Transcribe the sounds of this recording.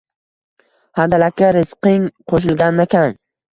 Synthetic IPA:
hand̪alakʲːaɾɪsqɪŋqʰoʃ̬ɪlɡʲanːakʲʰaŋ

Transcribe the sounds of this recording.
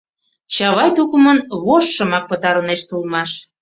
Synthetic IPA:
t͡ɕɑβɑjt̪ukumənβoʃːə̆mɑk̚pət̪ɑɾəneʃt̪ulmɑʃ

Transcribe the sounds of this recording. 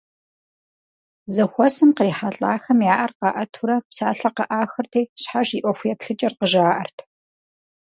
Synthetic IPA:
zɐxʷɔsɨmqriːħaɬʼaːxɐmjaːʔɐrqɑʔɐtʰuɾɐpsaːɬɐqɐʔaːxɐrtʰeːɕħaʃiːʔʷɔxʷjɛpɬɨt͡ʃʼɐrqəʒɐaːʔɐrtʰ

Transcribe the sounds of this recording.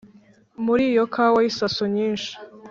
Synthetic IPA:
muɾiːjokʰawaisasoɲiːnʃi̥

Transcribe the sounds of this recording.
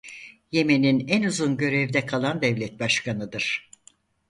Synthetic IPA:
je̞me̞ninænuzunɟø̞ɾɛvd̪ɛkʰalˠand̪ɛvlʲɛt̪̚baʃkʰanɯd̪ɯɾ̥

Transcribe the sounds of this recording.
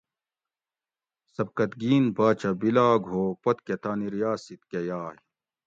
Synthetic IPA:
sɐb̚kɐt̪ɡiːnbaːt͡ɕɐbilaːɡʱoːpɐt̪ket̪aːniɾijaːsit̪kejaːɦi

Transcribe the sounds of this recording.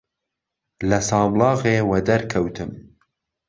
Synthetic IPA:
lɐsɑːmlɑːɣeːwɐd̪ɐɾkʰɐwt̪ʰɨm

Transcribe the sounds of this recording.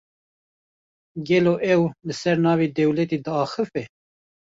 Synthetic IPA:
ɡɛloːʔɛwlɨsɛɾnɑːved̪ɛwlɛt̪iːd̪əɑːxɨfɛ

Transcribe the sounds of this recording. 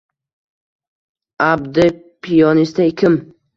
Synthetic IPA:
abd̪ɪ | pʰijɒnist̪ʰaɪkʲʰɪm

